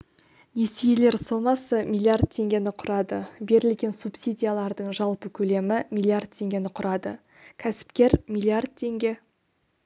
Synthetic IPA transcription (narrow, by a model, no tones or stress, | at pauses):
ne̞sejele̞ɾsomɑsəmʲilˠiard̪̚t̪ʰe̞ŋɡʲe̞nɪqʰʊɾɑd̪əbe̞ɾɪlɡʲe̞nsupsʲijd̪ʲijalˠɑɾd̪əɴʒɑlˠpəkʲʰɵle̞mɪmʲijlʲˠiard̪̚t̪ʰːe̞ŋɡʲe̞nɪqʰʊɾʔɑd̪ə̰ | kʲʰæsɪ̥pkʲe̞ɾmʲilʲˠiard̪̚t̪ʰe̞ŋɡʲe̞